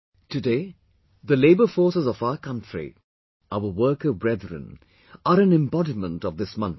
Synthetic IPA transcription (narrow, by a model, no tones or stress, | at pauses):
tɨdeː | ðəleɪbəfɔːɹsəzɔvaʊəkʰʌ̃ntɹ̥ḭ | aʊəwɜːkəbɹɛd̪ɹə̰̃n | əɾə̃nɪ̃mbɔɾimə̃ntɔvðɪsmʌ̃nt